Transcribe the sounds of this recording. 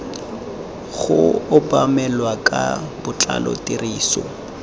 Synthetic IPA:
ɣʊʊbamɛlwakʼabʊt͡ɬʼalɔ̰tiriːsɔ

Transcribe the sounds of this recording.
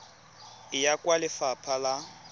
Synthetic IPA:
ɪjakʼwalɪfapʰala

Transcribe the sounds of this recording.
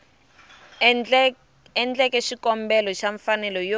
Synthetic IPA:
ɛnd͡ɮɛkɛʃikɔmbɛlɔʃaɱfanɛlɔjo

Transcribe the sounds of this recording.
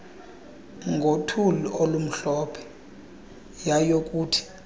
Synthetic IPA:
ŋɡʱotʰuluʔolum̩ɬɔpʰɛ̥ | jajok̬ʼuːtʰi̥

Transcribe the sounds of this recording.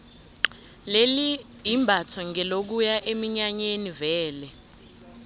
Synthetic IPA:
leli | ɦimbʱatʰɔŋɛlok̬ujaʔemiɲaɲenivɛːlɛ

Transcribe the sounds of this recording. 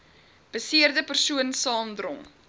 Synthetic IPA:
b̥əsiərdəpərsuənsɑːmdrɔ̰ŋ

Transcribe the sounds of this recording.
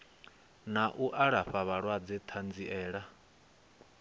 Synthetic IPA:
naʔuʔaɺaɸaβaɺwad͡zɛt̪ʰand͡ziʔɛːɺa

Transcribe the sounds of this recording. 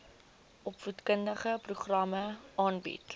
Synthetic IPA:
ʔɔpfutkəndəχəpruχrɐməɑːnbḭt

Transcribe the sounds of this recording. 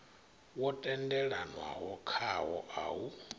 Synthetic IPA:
wɔtʼɛndɛɺanwa̰ɦɔkʰaɦɔʔa̰u

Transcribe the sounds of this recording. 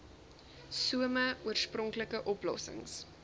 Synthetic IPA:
suəməuərsprɔŋkləkəʔɔplɔ̰sə̰ŋs

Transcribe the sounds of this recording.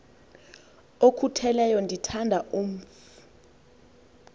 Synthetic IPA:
okʰutʰɛlɛjɔndʱitʰandʱaʔom̩f | u̥

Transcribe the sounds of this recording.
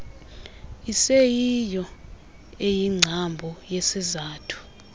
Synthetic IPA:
isejijɔ | ejiŋ͡ǀʱambʱɔjesizaːtʰu̥

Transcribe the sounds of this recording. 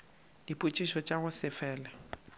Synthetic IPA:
ipʼut͡ʃʼiʃɔt͡ʃʼaɣʊsɪfɛːlɛ

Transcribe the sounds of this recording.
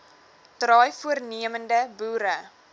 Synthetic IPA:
trɑːjfuərniəməndəbuːɾə

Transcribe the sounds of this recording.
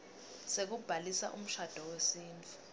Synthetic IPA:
sek̬ub̥ʱalisa̰ʔṵm̩ʃad̥ʱɔwesiːnbʰʱi

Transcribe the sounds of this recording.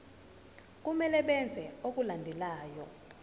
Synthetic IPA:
k̬ʼumɛlɛɓɛnd͡zʱɛok̬ʼulandʱɛlaːjɔ

